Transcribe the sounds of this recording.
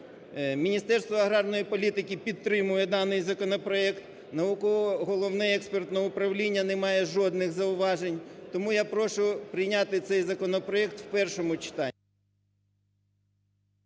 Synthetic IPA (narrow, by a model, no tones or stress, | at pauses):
mʲinʲist̪ɛrst̪ʋɔɐɦɾɑrnɔjipɔlʲit̪ɪkʲipʲid̪̚t̪ːɾɪmʊjɛd̪ɑnɪjzɐkɔnɔpɾɔɛkt̪ | nɐukɔɦɔlˠɔwnɛɛkspert̪nɔʊpɾɐwlʲinʲːɐnemɑjɛʒɔd̪nɪxzɐʊʋɑʒenʲt̪ɔmujapɾɔʃʊpɾɪjnʲɑt̪ɪt̪sɛjzɐkɔnɔpɾɔɛkt̪wpɛrʃɔmʊt͡ʃɪ̥t̪ɑːi